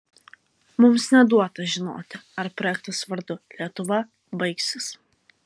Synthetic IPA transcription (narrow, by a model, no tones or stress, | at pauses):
mʊmsnʲɛd̪uɔt̪ɐʒʲɪno̰ːt̪ʲɪɐɾpɾɔːjɛkt̪ɐsʋɐɾd̪ʊlʲiɛt̪ʊʋɐ | bɐɪksʲɪs